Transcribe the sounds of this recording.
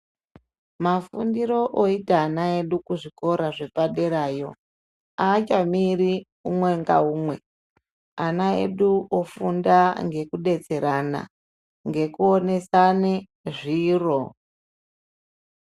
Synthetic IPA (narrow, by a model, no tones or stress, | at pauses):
mafundiɾo̞ʔoitaːnae̞ɗukuʐiko̞ɾaʐe̞paɗe̞ɾaːjo̞̰ | aːt͡ʃamiɾi | umwe̞ŋɡa̰umwe̞ | anaḛɗuofundaŋɡe̞kuɗe̞t͡se̞ɾana̰ | ŋɡe̞kuone̞sane | ʐiːro